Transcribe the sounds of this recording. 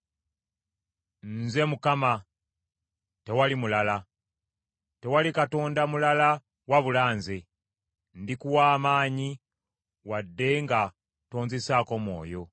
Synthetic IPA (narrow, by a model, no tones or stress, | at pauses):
nze̞mukama | te̞walimulala | te̞walikato̞ːndamulala | waβulaːnze | ndikuwaːmaːɲi | wadːe̞ŋɡa | to̞ːɲzesaːko̞mwo̞̰ːjo̞